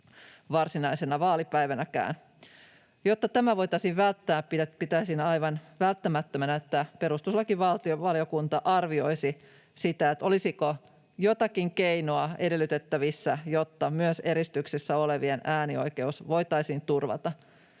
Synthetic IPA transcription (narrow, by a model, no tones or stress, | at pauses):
ʋɑrsinɑisenɑʋɑːlipæiʋænækæ̰ːn | jot̪ːɑt̪æmæʋo̞jt̪ɑisiʋʋælt̪ːæːppiæpit̪æisinɑiʋɑnʋælt̪ːæmæt̪ːømænæet̪ːæpe̞ɾust̪uslːɑkiʋʋɑlt̪ioʋɑliokunt̪ɑʔɑrʋio̞isi | sit̪æet̪o̞lisiko | jot̪ɑkiŋkeinoɑede̞lːyt̪et̪ːæʋisːæjot̪ːɑmyøse̞ɾist̪yksisːæo̞leʋienæːnio̰jke̞usʋo̞jt̪ɑisiːnt̪urʋɑ̰t̪ɑ